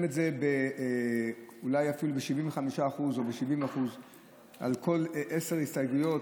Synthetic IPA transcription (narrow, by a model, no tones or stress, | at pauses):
metzebe | ulajafilubeʃiviɱveχamiʃaːχuzo̞beʃivimaχuz | ʔa̰lko̞lʔese̞ʁhistajɡujo̞t